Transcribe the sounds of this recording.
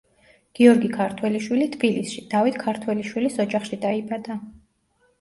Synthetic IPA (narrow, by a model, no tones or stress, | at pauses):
ɡ̥iɔɾɡikʰaɾt̪ʰwɛliʃwilit̪ʰbilisʃid̪̥avit̪ʰkʰaɾt̪ʰwɛliʃwilisɔd͡ʒaχʃid̪aibad̪a